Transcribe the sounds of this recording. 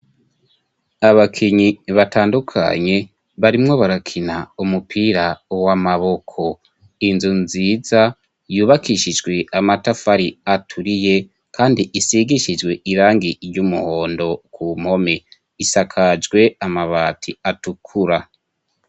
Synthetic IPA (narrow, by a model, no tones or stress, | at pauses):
aβakʰiɲiβatʰaːndukʰa̰ɲe̞ | βaɾimŋo̞βaɾakʰinaumupʰiːɾawamaβo̞kʰo̞ | inzunziːza | juːβakʰiʃid͡ʒɡwe̞amatafaɾiatʰuɾije̞ | kaːndiʔisiɡiʃid͡ʒɡwe̞iɾaːŋɡiɾɟumṵho̞ːndo̞kʰum̥ho̞me | isakʰad͡ʒɡwe̞amaβaːtʰiatukʰuɾa